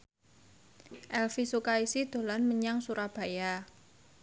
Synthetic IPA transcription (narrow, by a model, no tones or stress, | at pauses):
ʔɛlfisukaisid̪̥o̤lanməɲaŋsuɾab̥a̤ja